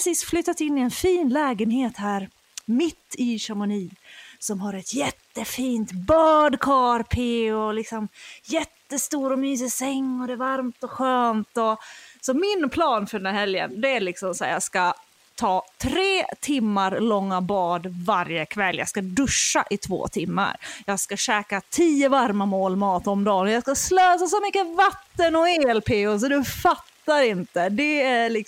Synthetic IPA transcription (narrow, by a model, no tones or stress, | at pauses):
siːsflʏt̪ːat̪ɪnːɪɛnfiːnlɛːɡənheːt̪hæːɾ | mɪt̪ːɪʂaɾmʊniːsɔmɦaɾɛt̪jɛt̪ːəfiːnt̪bɑːd̪kʰɑɾpʰeːɔlɪksɔmjɛt̪ːəst̪uːɾɔmyːs̬ɪsɛŋːɔd̪ɛvaɾmt̪ɔɧøːnt̪ɔsɔmɪnpʰlɑːnfœɖɛnd̪æːɾhɛljə̰nd̪ɛæɭɪksɔmsæ̰ːjɑːɡska | t̪ʰɑːt̪ʰɾeːt̪ʰɪmːaɾlɔŋːabɑːd̪vaɾjəkʰvɛlːjɑ̰ɡskad̪ɵʂːa̰ʔɪt̪ʰvo̰ːt̪ʰɪmːa̰ɾjɑːɡskaɕɛːkat̪ʰiːəvaɾmamoːlmɑːt̪ɔmd̪ɑːnɔjɑːskasløːsasɔmʏkːəvat̪ːənɔeːɛlpʰeːʊs̬ɔd̪ɵfat̪ːaɾɪnt̪əd̪ɛælɪk